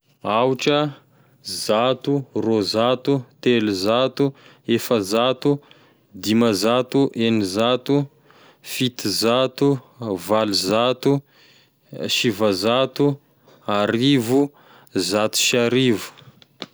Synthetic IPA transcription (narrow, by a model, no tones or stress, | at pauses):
awʈ͡ʂə | zat̪urozat̪ut̪elizat̪u | efəzat̪u | d̪iməzat̪uʔenizat̪u | fit̪izat̪u | valizat̪u | ʃivazat̪u | aɾivu | zat̪u̥ʃiaɾivu̥